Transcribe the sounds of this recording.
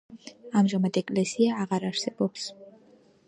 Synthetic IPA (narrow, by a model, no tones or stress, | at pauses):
amʒamad̪ɛkʼlɛsiaːʁaɾaɾ̥sɛbɔps